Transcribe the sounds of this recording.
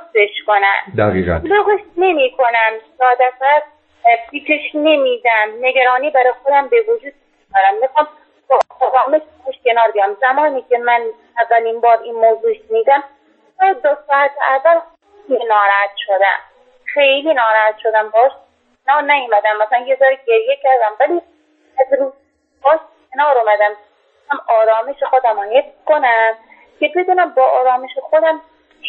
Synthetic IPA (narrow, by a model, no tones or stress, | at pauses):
beʃkonæ̰nd̪æʁiːʁæ̰nloɣoʃnemiːkʰonæmsɒːd̪æt̪æɾ | pʰiːt̪ʰeʃnemiːd̪æmneɡæɾɒːniːbæɾɒːjxod̪æmbevod͡ʒuːd̪̚piʃkonæmmixɑm | b̪ot̪oxɒːmeiːkʰeʃkʲenɒːɾbijɑmzæmɒːnikʰʲemæn | ævːæliːnbɒːɾinmoːzuːeʃmiːd̪æm | t̪ɔd̪osɒːæt̪ʰeævːælxeejlinɒːɾæhæt̪̚ʃod̪æ̰m | xejliːnɒːɾæhæt̪ʃod̪æmbɒʃ | nɒːɾnæjomæd̪æmːæsælænjezɒːɾiɟeɾjecæɾd̪æmvæliː | æzɾuːz | b̥ɒːʃcʰenɒːɾomæd̪æm | æmɒːɾɒːmeʃexod̪æmɔnjekonæm | ke̞bed̪uːnæmbɒːʔɒːɾɒːmeʃexod̪æm